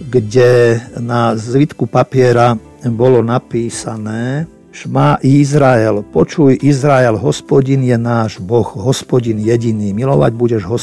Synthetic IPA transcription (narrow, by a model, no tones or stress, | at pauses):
ɡɟɛnazʋit̪kupapɪɛɾa | bɔlɔnapiːsanɛː | ʃmaːʔizɾaɛlpɔt͡ʃujʔizɾaɛlɦɔspɔɟinjɛnaːʒbɔxɦɔspɔɟinjɛɟiniːmilɔʋa̰ɟbuɟɛʒɦɔs